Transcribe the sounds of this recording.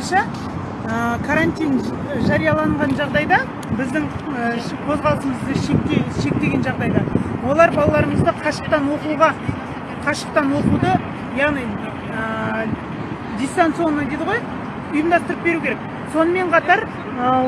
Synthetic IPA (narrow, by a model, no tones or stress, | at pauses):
nʃɑ | əkʰaɾanʲt̪ʲijn | ʒɑɾijɑlˠɑɴʁɑnʒɑʁd̪ɑjd̪ɑ | bɪzd̪ɪŋ | ə | qʰozʁɑlˠəsəməzd̪əʃekʲːeʃe̞k̚t̪e̞ɡʲe̞nʒɑʁd̪ɑjd̪ɑwo̞lˠɑɾbɑlˠɑlˠɑɾəɴəzd̪əqʰɑʃə̥q̚t̪ɑnwo̞quʁɑ | qʰɑʃə̥q̚t̪ɑnwoqud̪ə | jɑʁnij | ə | d̪ʲijst̪ant̪sionnɑd̪ed̪əʁoj | ʊjəmd̪ɑst̪əɾəp̚be̞ɾukʲʰɾek̚ | so̞nəme̞ɴqʰɑt̪ɑɾ | ə